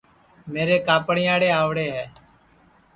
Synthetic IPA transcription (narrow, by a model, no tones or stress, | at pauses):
meːɾeːkaːpɳɪjaːɽeːaːʋɽeːɦɛː